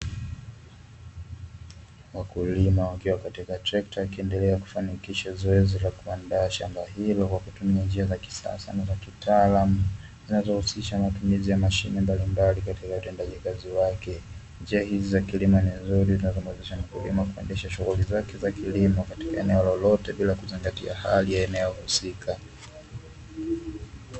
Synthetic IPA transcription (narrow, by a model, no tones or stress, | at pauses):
wakulimawakiwakatikatɾɛktaikiɛndɛlɛaku̥fanikiʃazɔɛzilakuandaːʃa̰mbaɦilɔkwakutumiand͡ʒiazaki̥sa̰sa̰nazakitaːlamu | zinazɔhusiʃamatumizijamaʃinimbalimbalikatikautɛndaʄikaziwakɛ | nd͡ʒiahizizakilimaninzuɾizinazɔmɛzɛʃamakilḭmakuɛ̰ndɛʃaʃuɣulizakɛzakilimɔkati̥kaɛnɛwɔlɔlɔtɛɓilakuziŋɡatḭa̰ha̰lijaɛnɛɔhusika